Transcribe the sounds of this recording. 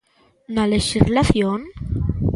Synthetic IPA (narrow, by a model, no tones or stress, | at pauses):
naleʃizlaθjon